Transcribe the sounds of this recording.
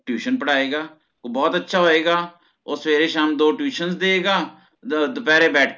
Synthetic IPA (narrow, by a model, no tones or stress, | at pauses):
ʈjuːʃənpəɽaːeːɡaː | bɔːt̪ətːʃʰaːɦoːeːɡaː | oːsʋeːɾeːʃaːmd̪oːʈjuːʃənzd̪eːeːɡaː | d̪ʊpɛːɾeːbɛːʈʰ